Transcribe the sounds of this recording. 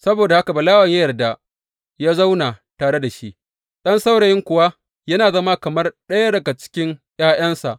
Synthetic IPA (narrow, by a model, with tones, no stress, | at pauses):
sɐ˦boː˨da˨ha˦ka˨bɐ˨laː˦wɐ˨ɲja˦jɐ˨rda˦ | jaː˦za˦wnaː˨taː˨ɽe˦da˨ʃi˦ʔ | ɗɐ˦nsa˦wɽa˨jɪ˦ŋkʷʊ˨wa˦ | jɐ˦naː˨zɐ˦ma˦kɐ˨mɐ˦rɗɐ˦ja˦dɐ˨ɡa˨t͡ʃɪ̥˦kʲɪ˦ŋj̰aː˦j̰ɐ˦nsa˨ʔ